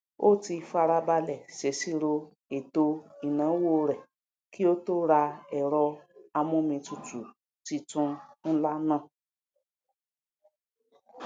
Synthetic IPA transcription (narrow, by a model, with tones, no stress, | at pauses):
o˦ti˧fa˧ɾa˧ba˧lɛ˨se˨˦si˦ɾo˧ | e˨to˧i˨nãː˨˦wo˦˧ɾɛ˨ | ki˦o˦to˦ɾa˧ɛ˨ɾɔ˧a˧mũ˦mĩ˧tu˨tu˨ | ti˧tũ˧n̩˦la˦nã˦˨